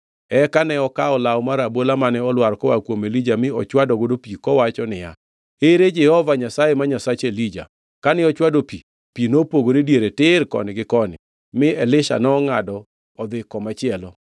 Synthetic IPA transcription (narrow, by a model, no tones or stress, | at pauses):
ɛkanɛɔkaɔlawmaɾabolamanɛɔlwaɾkɔwakwomelid͡ʒamɪɔt͡ʃwadɔɡodopikɔwat͡ʃɔnɪja̰ | eɾed͡ʒɛhɔvaɲasajemaɲasat͡ʃelid͡ʒa̰ | kanɪɔt͡ʃwadopi | pinopoɡoɾedjeɾetɪɾkɔ̰nɪɡɪkɔnɪ̰ | mɪɛlɪʃa̰nɔːŋadɔː | d̪ɪkɔmat͡ʃɪɛlɔ